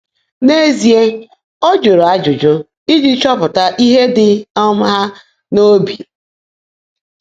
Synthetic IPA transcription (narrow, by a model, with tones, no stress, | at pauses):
ne˦zi˨e˦ | ɔ˦d͡ʒo˨ɾo˨a˦d͡ʒʊ˨d͡ʒʊ˦ | i˦d͡ʒi˦t͡ʃɔ˦pʊ˨ta˦ʔi˦ɦe˦dɪ˨ɔ˦m̩˦ɦa˦ | no˦bi˨